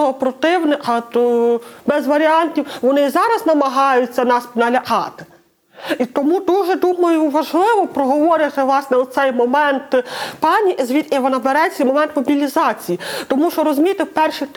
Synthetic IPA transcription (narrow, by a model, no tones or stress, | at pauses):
ɔpɾɔt̪ɪwnɪʔɐt̪ | bɛzʋɐɾʲiɑnʲtʲiwʋɔnɪizɑɾɐznɐmɐɦɑjʊt͡sʲːɐnɑspnɐlʲɐkɑt̪ɪ̥ | it̪ɔmud̪uʒɛd̪umɐjʊʋɐʒlˠɪʋɔpɾɔɦɔʋɔɾʲɪt̪ɪʋlˠɑsnɛɔsɛjmɔmɛnt̪pɑnʲiʔizʋʲit̪ʲiʋɐnɐbeɾɛt͡ssʲɛjmɔmɛnt̪mɔbʲilʲizɑt͡sʲijit̪ɔmuʃɔɾɔzʊmʲijt̪ewpɛrʃi